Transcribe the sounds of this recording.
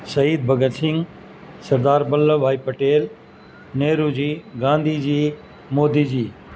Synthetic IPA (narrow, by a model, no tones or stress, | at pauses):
sɐiːd̪̚bʱɐɡət̪sɪ̃ŋɡ | sɐɾd̪aːɾbɐlːbʱaːipɐʈeːl | neːɾuːd͡ʑiːɡãːnd̪ʱid͡ʑiː | moːd̪iːd͡ʑiː